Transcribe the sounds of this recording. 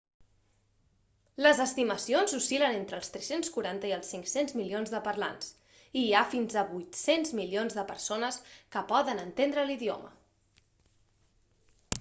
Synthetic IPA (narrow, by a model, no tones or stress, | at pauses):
ləzəst̪iməsionzusilənent̪ɾəlˠst̪ɾɛsenskuɾant̪əiəlˠsiŋksenzmilionzðəpəɾla̰ns | iafinzəβujt̪senzmilionzðəpəɾsonəskəpɔðənənt̪end̪ɾəliðio̰mə̰